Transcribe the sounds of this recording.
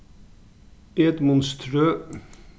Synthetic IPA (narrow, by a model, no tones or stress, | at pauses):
ɛt̪mɔnst̪ʰɾøː